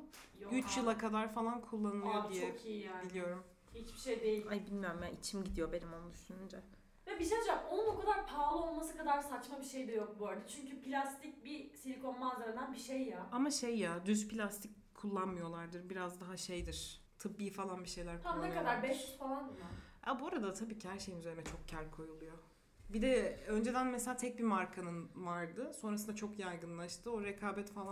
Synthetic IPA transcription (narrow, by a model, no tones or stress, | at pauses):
yt͡ʃjɯlˠakʰad̪aɾfalˠankʰulˠːanɯlˠjod̪ijɛokijijaːilʲijo̞ɾum | hit͡ʃbiʃejd̪e̞jilʲajbilʲmijo̞ɾumjaʔit͡ʃʰimɟid̪ijo̞be̞nimolˠmyʃynynd͡ʒɛ | vɛbiʃed͡ʒakonunokʰad̪aɾpʰaːlˠɯo̞lˠmas̬ɯkad̪aɾsat͡ʃmabiʃejd̪ɛjok̚bøɾd̪ʲɛt͡ʃʰyɲcypilʲast̪ʰic̚bisilʲiko̞nmanzaɾad̪anbiʃejːaamaʃejːad̪yzpʰilʲast̪ʰic | kʰːulˠːanmɯjo̞lˠaɾd̪ɯɾbiɾazd̪aɦaʃejd̪iɾ̥ | t̪ʰɯbːiːfalˠanbiʃe̞jlʲæɾkʰuamnːekad̪aɾbɛʃfalˠanb̪ɯmaja̰buoɾad̪at̪ʰabiːcihæɾʃejinyzeɾimɛt͡ʃʰo̞k̚cʰæɾkʰo̞julˠujo̞ | bid̪ɛø̞nd͡ʒe̞d̪ænmɛselʲaːt̪ʰɛc̚bimaɾkʰanɯnvaɾd̪ɯso̞nɾas̬ɯnd̪at͡ʃʰo̞kjajɡɯnlˠaʃt̪ʰɯo̞ɾekʰaːbɛt̪falˠa